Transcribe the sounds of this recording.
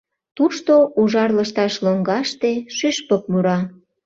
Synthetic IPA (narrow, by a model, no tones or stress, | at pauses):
t̪uʃt̪oʔuʒɑrləʃt̪ɑʃloŋɡɑʃt̪eʃyʃpək̚muɾɑ